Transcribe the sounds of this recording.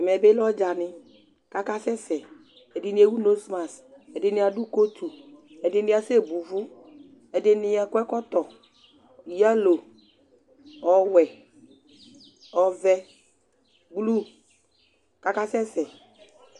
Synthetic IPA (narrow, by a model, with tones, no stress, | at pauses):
ɛ˨mɛ˨bɪ˦lɔ˦d͡ʒa˨nɪ˨ | ka˦ka˦sɛ˦sɛ˨ | ɛ˨dɪ˨ni˨˦e˦wu˦no˦sma˨s | ɛ˨dɪ˨nɪ˦a˨du˦ko˦t̪ʰu˨ | ɛ˨dɪ˦nɪ̃˦a˦se˦˨bu˨vʊ˦ | ɛ˨dɪ˦nɪ˨a˨kʷɛ˦kɔ˦t̪ɔ˨ | i˨ja˦lo˨ | ɔ˨wɛ˨ | ɔ˨vɛ˦ | blu˦ | ka˦ka˦sɛ˦sɛ˨